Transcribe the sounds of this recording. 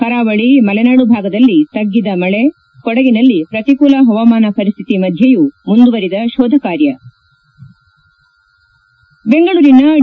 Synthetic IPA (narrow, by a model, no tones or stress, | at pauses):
kɐɾaːʋɐɭimɐlɛnaːɽubʱaːɡɐd̪ɐlːit̪ɐɡːid̪ɐmɐɭe | kɔɽɐɡinɐlːipɾɐt̪ikuːlɐɦɐʋɐmaːnɐpɐɾist̪ʰit̪imɐd̪ʱjɐjumund̪uʋɐɾid̪ɐʃɔːd̪ʱɐkaːɾjɐ | beŋɡɐɭuːɾinɐ